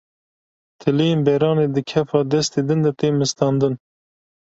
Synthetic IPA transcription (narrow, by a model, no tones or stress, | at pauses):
t̪ʰɨlejembɛɾɑːneːd̪ɨkʲʰɛfɑːd̪ɛst̪eːd̪ɨnd̪ɛt̪eːmɨst̪ɑːnd̪ɨn